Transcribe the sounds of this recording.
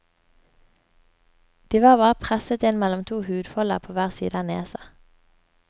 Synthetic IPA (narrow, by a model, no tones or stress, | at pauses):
d̪̥iːʋɑːʁbɑːʁəpʰʁɛsət̪ɪnmɛlɔmt̪ʰuːhʉːd̪fɔlə̰ʁpʰoːʋæːʁsḭːd̪əɑneːsɑ